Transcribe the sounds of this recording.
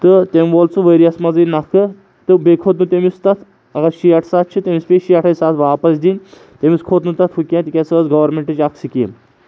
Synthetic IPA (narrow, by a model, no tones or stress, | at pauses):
t̪ɨt̪emʲʋolt͡sɨʋəɾiɐsmɐzɨnɐkʰɨ | t̪ɨbekʰoːt̪nut̪ʲemist̪ɐt̪ʰ | ɐɡaʃiːɐʈʰsat̪̚ʰt͡ʃʰit̪ʲemʲispʲeʃiɐʈʰɐjsat̪ʰʋaːpɐsd̪inʲ | t̪ʲemʲiskʰoːt̪nut̪ɐt̪ʰfukʲãːt̪ikʲɐsɐzɡɐʋɐɾmeɳʈɨt͡ʃaksikim